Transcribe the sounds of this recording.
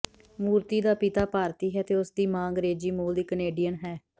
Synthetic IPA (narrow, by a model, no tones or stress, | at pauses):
muːɾt̪iːd̪aːpɪt̪aːpaːɾt̪iːɦɛːt̪eːʊsd̪iːmãːŋɡəɾeːd͡ʒiːmoːld̪iːkəneːɖijənɦɛː